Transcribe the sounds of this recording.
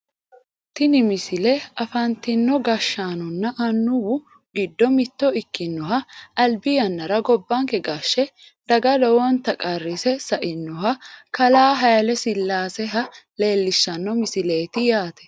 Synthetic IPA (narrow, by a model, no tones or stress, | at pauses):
t̪ɪnɪmɪsɪlɛɐfɐnt̪ɪnːɔɡɐʃːaːnʊnːɐʔɐnːʊwʊ | ɡɪd̪ːɔmɪt̪ːɔɪkːɪnːɔɦɐʔɐlbɪjɐnːɐɾɐɡɔbːaŋkɛɡaʃːɛ | d̪̥ɐɡɐd̪ɔwɔnt̪ɐkʼɐrːɪsɛsɐʔɪnːɔɦɐkɐlaːɦɐjɐlɛsɪlːaːsɛɦɐle̞ːlːɪʃːɐnːɔmɪsɪle̞ːt̪ɪjaːt̪ɛ̥